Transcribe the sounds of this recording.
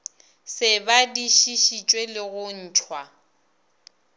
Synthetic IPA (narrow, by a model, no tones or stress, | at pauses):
sɪbadiʃiʃit͡ʃʼwelɪɣʊn̩ːt͡ʃʰwa